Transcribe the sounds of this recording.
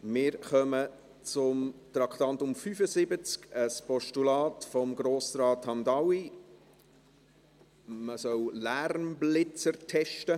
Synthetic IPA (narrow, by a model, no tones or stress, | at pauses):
mɪːɾχœmə | t͡sʊmt̪ɾɑkχt̪ɑnt̪ʊmfyfəsɪbət͡skəspɔʃtulɑːtfɔmɡɾoːsɾɑːthɑmd̪ɑwi | məsœwlæːrmblɪt͡səɾtʰɛʃtə